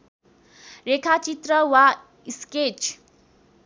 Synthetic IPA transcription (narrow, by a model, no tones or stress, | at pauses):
rekʰat͡ʃit̪rɾʌwa | isket͡ʃ